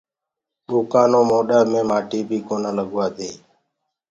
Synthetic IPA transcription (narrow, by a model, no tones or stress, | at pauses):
ɗuːkaːnõːmoːɗəɾmẽːmaːʈiːbʱiːkoːnãːləɠʋaːt̪eː